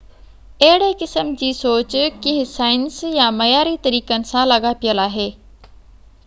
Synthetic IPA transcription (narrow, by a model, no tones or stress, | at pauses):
ɐɦɪɽekɪsəmd͡ʑiːsoːt͡ɕkɪ̃ɦɪ̃saːɪnsjamɐjaːɾit̪ɐɾiːkənɪ̆sãlɐɠapijəlaːɦeː